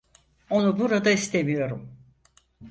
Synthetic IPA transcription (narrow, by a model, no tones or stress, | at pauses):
o̞nubuɾad̪aist̪ʰe̞mijo̞ɾum